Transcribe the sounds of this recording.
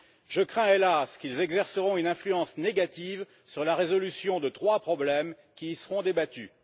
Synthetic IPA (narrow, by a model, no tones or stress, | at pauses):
ʒəkχɛ̃elaskilzɛɡzɛʁsəʁɔ̃ynɛ̃flyɑ̃sneɡat̪iv | syʁlaʁezɔlysjɔ̃d̪ət̪χwapχɔblɛm | kʲiːsəʁɔ̃d̪ebat̪y